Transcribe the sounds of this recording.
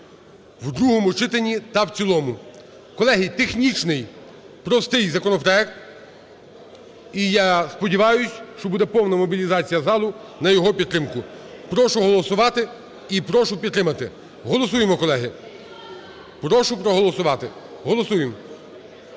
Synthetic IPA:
wd̪ɾuɦɔmut͡ʃɪt̪enʲːit̪ɐwt͡sʲilˠɔmʊ | kɔlˠɛɦit̪exnʲit͡ʃnɪj | pɾɔst̪ɪjzɐkɔnɔpɾɔɛk̚t̪ | ijɑspɔdʲiʋɑjʊsʲʃt͡ʃɔbud̪ɛpɔwnɐmɔbʲilʲizɑt͡sʲijɐzɑlˠʊnɐjɔɦɔpʲid̪t̪ːɾɪmkʊpɾɔʃʊɦɔlˠɔsʊʋɑt̪ɪ | ipɾɔʃʊpʲid̪t̪ːɾɪmɐt̪ɪ | ɦɔlˠɔs̬ujemɔkɔlˠɛɦɪ | pɾɔʃʊpɾɔɦɔlˠɔsʊʋɑt̪ɪɦɔlˠɔsujem

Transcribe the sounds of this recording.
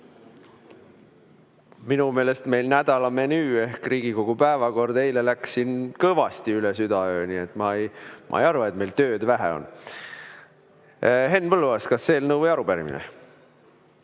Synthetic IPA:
minume̞ːle̞st̪me̞jlnæd̪ɑlɑme̞nyːe̞hkriːɡ̥iko̞ɡ̥upæevɑko̞rd̪̥e̞jle̞læksinkɤvɑst̪iylesyd̪ɑøːniet̪ːˑmɑejmʔɑ̰ejɑɾvɑet̪̚melt̪ø̞ːd̪̥væɦḛo̰n | ɦe̞nːpɤlːuvɑskɑsːe̞ːlnɤwvɤjɑɾubæɾḭmḭnḛ

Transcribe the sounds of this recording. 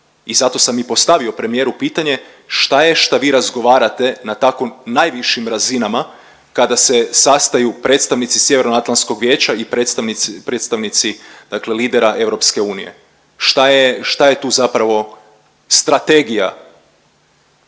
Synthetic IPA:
izat̪o̞samipo̞st̪aʋio̞pɾe̞mije̞ɾupiːt̪aɲe̞ | ʃt̪ajeʃt̪aʋiːɾazɡo̞ʋaːɾat̪e̞nat̪akoːajʋiʃimɾazinama | kad̪ase̞sast̪ajupɾe̞t̪st̪aʋnit̪sisje̞ʋeɾnoat̪lˠansko̞ɡʋjeːt͡ɕaipet̪st̪aʋnipɾet̪st̪aʋnit̪sid̪̥akle̞liːd̪e̞ɾaʔe̞ʋɾo̞pske̞uːnije̞̰ | ʃt̪ajeʃt̪aje̞t̪uːzapɾaʋo̞ | st̪ɾat̪e̞ɡija̰

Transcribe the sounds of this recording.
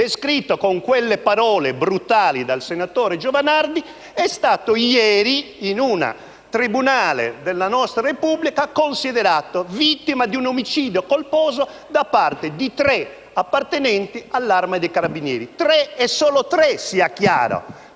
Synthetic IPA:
d̪eskɾit̪ːokoŋkwɛlːepaɾɔːlebɾut̪aːlid̪alsenat̪ɔːɾɛd͡ʒɔvanaɾd̪i | ɛst̪aːt̪ojɛːɾiinuna̰ | t̪ɾibunaːlɛ̰d̪ɛlːanɔst̪ɾaɾepublikakonsiðɛɾaːt̪ovit̪ːimad̪iunomit͡ʃiːd̪jokolpɔːzo | d̪apːart̪ed̪it̪ɾɛ | apːaɾt̪ɛnɛnt̪ialːaɾmad̪ɛkaɾabinjɛ̰ːɾit̪ɾɛɛsːɔːlot̪ɾɛsiakja̰ːɾo̰

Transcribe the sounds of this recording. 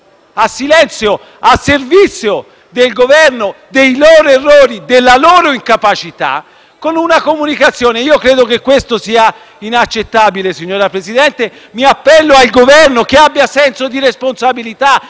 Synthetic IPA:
asːilɛnt̪sjo | asːervit̪sːjo | d̪elɡovɛrnod̪ejloːɾoerːoːɾid̪elːaloːɾoiŋkapat͡ʃit̪a̰ | konunakomunikat̪sːjoːneiːokɾeːd̪okekːwest̪osiːa | inat͡ʃːet̪ːabilesiɲːoːɾapɾezid̪ɛnt̪e | miapːɛlːoalɡovɛrnokeabːjasɛnsod̪iɾesponsabilit̪a

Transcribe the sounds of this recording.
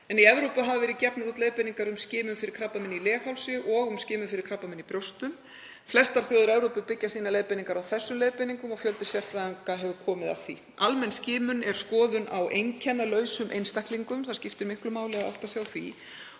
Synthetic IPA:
ɛniɛvɾowpʏɦavɪvɛːɾɪðcɛpnaɾuːt̪lejðpɛniŋkaɾʏmscɪːmʏmfɪɾɪɾ̥kʰɾapamɪnːilɛːxawlsɪʔɔɣʏmscɪːmʏfɪɾɪɾ̥kʰɾapːamɪnːipɾjowst̪ʏm | flɛst̪aɾ̥θjowðʏɾɛvɾowpʏpɪcːasiːnalejðpɛniŋkaɾawθɛsːʏmleːjðpɛniŋkʏmɔɣfjœlt̪ʏ̥sjɛr̥fɾaaŋkaɦɛvʏɾkʰɔːmɪða̰θḭ | almɛnscɪːmʏnɛɾ̥skɔːðʏnawʔejncʰɛnːalœːɥsʏmʔḛjnst̪ahkliŋkʏmθaɾ̥scɪft̪ɪɾmɪhklʏmaːwlɛɣaa̰wht̪asjawθi

